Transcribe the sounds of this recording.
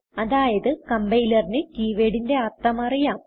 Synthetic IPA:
ɐðaːjɐðɨkɐmbɐjlɐrinɨkiːʋeːɽinde̞ɐrt̪ːɐmɐrijaːm

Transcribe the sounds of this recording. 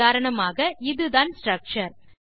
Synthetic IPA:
aːɾɐɳɐmaːɣɐʔɪðɯðaːnsʈɾɐk̚t͡ʃɐɾ

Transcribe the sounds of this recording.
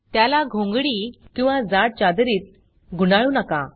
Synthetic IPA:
t̪jalaɡʱõŋɡɽiːkĩw̃ʋad͡zaɽ̚t͡ɕad̪ɾiːt̪̚ | ɡʱunaɭuːnəka

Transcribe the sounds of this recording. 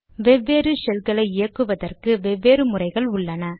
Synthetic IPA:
ʋɛʋːeːɾɯsɛlɣɐɭɐɪɪjɐkːɯʋɐðɐrkɯʋɛʋːeːɾɯmʊrɐɪɣɐɭʊɭːɐnɐ

